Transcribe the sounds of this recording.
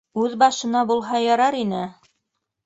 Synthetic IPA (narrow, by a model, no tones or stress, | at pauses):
ʉðbɑʃɤ̆nɑbulˠɦɑjɑɾɑɾinɘ